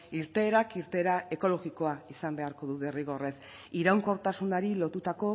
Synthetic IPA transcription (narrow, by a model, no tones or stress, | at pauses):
iɾt̪e̞ːɾakiɾt̪e̞ːɾae̞ko̞lo̞ɣiko̞aisambe̞aɾko̞ðuβe̞riɣo̞re̞s | iɾawŋko̞ɾt̪asunaɾilo̞t̪ut̪ako̞